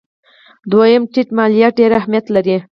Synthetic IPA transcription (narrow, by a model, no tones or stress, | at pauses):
d̪wajəmʈiʈmɑlijaɖeɾahmjat̪laɾi